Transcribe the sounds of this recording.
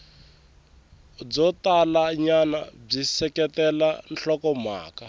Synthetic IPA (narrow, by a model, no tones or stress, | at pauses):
b͡ʐɔtalaɲana̰b͡ʐisɛkɛtɛla̰nɬɔkɔma̰ːka